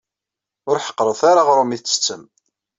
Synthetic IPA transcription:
ʊɾħə̥qːɾˤəθaɾaʁɾˤʊmiθt͡sːə̥t͡sːəm

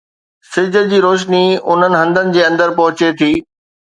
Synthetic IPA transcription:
sɪd͡ʑəld͡ʑiːɾoːʃ̬niʊn̤ənɪ̆ɦɐ̃nd̪ənɪ̆d͡ʑeːɐ̃nd̪əɾpɐɦʊt͡ɕet̪ʰiː

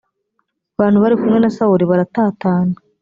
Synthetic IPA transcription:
aβaːn̥huβaɾikumŋe̞nasauɾiβaɾataːtaːna

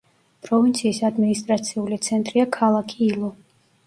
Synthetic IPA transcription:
pʼɾɔvint̪sʰiːsad̪minist̪ʼɾat̪sʰiulit̪sʰɛnt̪ʼɾiakʰalˠakʰiːlˠɔ

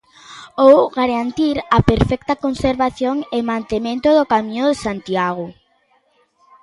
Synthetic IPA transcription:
owɣaɾant̪iɾɐpeɾfɛk̚t̪ɐkonseɾβaθjoŋemãnt̪emẽnt̪ʊðokamĩɲʊðesant̪iaɣ̞o

